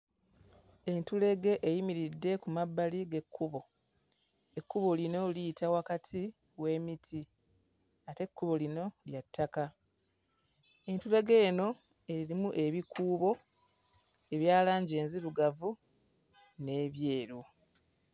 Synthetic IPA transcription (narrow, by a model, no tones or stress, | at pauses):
e̞ntule̞ɡe̞ʔːjimiɾidːe̞kumabːaliɡe̞kʰːuβo̞ | e̞kːuβo̞lino̞liːtʰawakatʰi | we̞ːmitʰi | ate̞kːuβo̞lino̞ljatʰːaka | e̞ntule̞ɡe̞ːno̞ | e̞ɾiɾimuʔe̞βikʰuːβo̞ | e̞βjaːlaːɲɟe̞ːnziɾuɡavu | ne̞βje̞ːɾu